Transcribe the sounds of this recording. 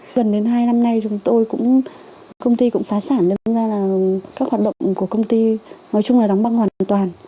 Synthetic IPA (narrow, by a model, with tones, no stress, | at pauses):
ɣə˨˩nɗe˨˦nɦaː˧jna˧mna˧jt͡ɕʊ˨˦ŋ͡mt̪o˧jkʊ̰˧˥ŋ͡m | kə˧wŋ͡mt̪i˧kʊ̰˧˥ŋ͡mfaː˨˦saː˧˩nɗe˨˦˨zaː˧˩laː˨˩kaː˦˥k̚hwaː˨˩t̚ɗə̰˧˨wŋ͡mku˧˩əkə˧wŋ͡mt̪i˧nɔ˨˦jt͡ɕʊ˧ŋ͡mlaː˨˩ɗɔ˨˦wŋ͡mɓa˧ŋhwaː˨˩nʔaː˧˨nt̪waː˨˩n